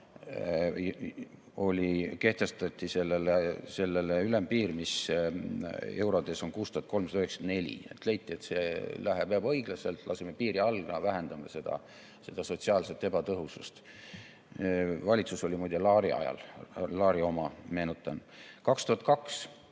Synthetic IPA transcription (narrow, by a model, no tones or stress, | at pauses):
o̞lʲike̞ht̪e̞st̪ɑt̪ʲːˑise̞lːelese̞lːeleylempiːɾmis | e̞wɾod̪e̞so̞nkuːst̪uɑt̪̚ko̞lmsɑd̪ɑyheksɑd̪̥ne̞lʲḭet̪le̞jt̪ʲːˑiet̪se̞læɦeb̥eɑbɤ̞jɡ̥lɑse̞lt̪lɑ̰se̞mepiːɾiɑlɡɑvæɦend̪̥ɑmɑse̞d̪̥ɑ̰ | se̞d̪̥ɑsotʲsiɑːlset̪ːe̞bɑt̪ɤɦusust̪ | vɑlʲit̪suso̞lʲimuːd̪̥ʲelɑːɾiɑ̰jɑ̰llɑːɾio̞mɑme̞ːnut̪ːˑɑnkɑkst̪uhɑt̪̚kɑks